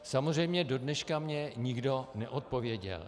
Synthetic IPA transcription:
samozr̝ɛjmɲɛdo̞dnɛʃkamɲɛɲɪɡdo̞nɛʔot̪̚povjɛɟɛ̰l

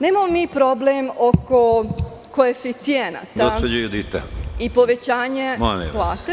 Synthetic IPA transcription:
neːmamomiːpɾoblemoko | koefit̪sijena̰t̪aed͡ʒajud̪it̪aipo̞ʋet͡ɕaːɲemanḭplˠaːt̪e

